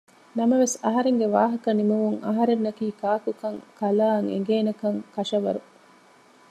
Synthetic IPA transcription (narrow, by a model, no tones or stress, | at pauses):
nɐmɐʋesɐɦɐɾeŋɡeʋaːɦɐkɐnimɐmuŋɐ̰ɦɐɾenːɐkiːkaːkukɐŋkɐlaːŋḛŋ̆ɡeːnɐkɐŋkɐʃɐʋɐ̰ɾu